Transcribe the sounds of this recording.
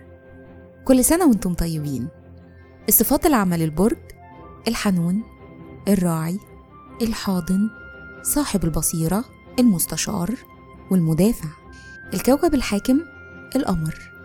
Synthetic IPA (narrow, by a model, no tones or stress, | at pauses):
kolːsænæwent̪omt̪ˤɑjːebiːn | ʔesˤːɨfɑːt̪ˤelʕamælelboɾˤɡ | ʔelħanuːn | ʔerˤːɑːʕi | ʔelħɑːd̪ˤɨnsˤɑːħebelbɑsˤiːɾˤɑ | ʔelmʊst̪æʃɑ̰ːɾˤ | welmʊd̪æːfaʕ | ʔelkæwkæbelħaːkɪm | ʔelʔɑmɾˤ